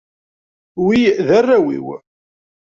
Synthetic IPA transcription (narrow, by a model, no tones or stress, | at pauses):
wiðærːæwḭw